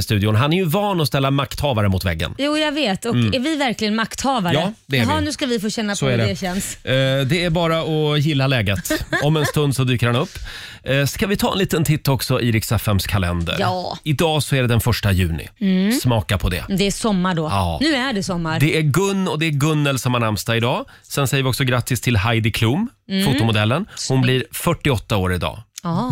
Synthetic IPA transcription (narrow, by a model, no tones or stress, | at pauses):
st̪ʉ̟ːd̪ɪʊnɦanæɾjɵvɑːnɔst̪ɛlːamakt̪hɑːvaɾəmʊt̪vɛ̰ɡːə̰njuːjɑɡveːt̪ɔkæɾvɪvæɾklɪɡənmakt̪ʰhɑːvaɾɑəːd̪ɛæɦnʉ̟skavɪfoːɕɛnːasɔæɖɛɛɕɛnsd̪ɛæɾbɑːɾaɔjɪlːalɛːɡət̪ɔmɛnst̪ɵnd̪sɔd̪yːkəɾhanɵpː | skavɪt̪ʰɑːɛ̰nliːt̪ənt̪ʰɪt̪ːɔksɔʔiːɾɪksɛfɛmskʰalɛ̰nd̪ə̰ɾɑːɪd̪ɑːsɔæɖɛd̪ɛnfœʂʈajʉ̟ːnɪ̰smɑːkapʰɔd̪ɛ̰d̪ɛsɔmːaɖɔɑ̰ːnʉːæɖɛsɔmːaɾd̪ɛʔæɾɡɵnːɔd̪ɛæɾɡɵnːəlsɔmhanɳamst̪aɪd̪ɑː | sɛnsɛjəvɪɔksɔɡɾat̪ːɪst̪ʰɪlɦajd̪ɪkʰluːmfuːt̪ːʊmʊd̪ɛlːənhʊnblɪɾfœʈːɪɔt̪ːaoːɾɪd̪ɑ̰ː